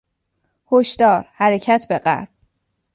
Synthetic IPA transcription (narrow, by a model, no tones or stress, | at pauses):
hoʃd̪̥ɒːɾhæɾe̞cʰæt̪ʰbe̞ɢæ̰ɾb̥